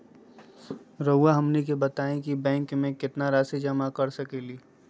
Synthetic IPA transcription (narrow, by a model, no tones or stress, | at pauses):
ɾɐʊaɦɐmnikebɐt̪aːẽkibɛ̃ːŋkmẽkɪt̪naɾaːsid͡ʒɐmakɐɾsɐkeːliː